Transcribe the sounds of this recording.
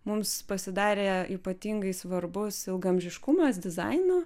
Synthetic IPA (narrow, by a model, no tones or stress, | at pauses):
mʊmspɐsʲɪd̪ɑːɾʲeːiːpɐt̪ʲiŋɡɐɪsʋɐɾbʊsɪlˠɡɐmʲʒʲɪʃkʊmɐsd̪ʲɪzɑ̰ɪnoː